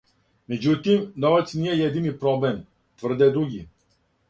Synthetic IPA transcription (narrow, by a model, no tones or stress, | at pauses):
mɛd͡ʒut̪imnɔvɛt̪sniɛjɛd̪inipɾɔblɛm | t̪vəɾd̪ɛd̪ɾuɡʲi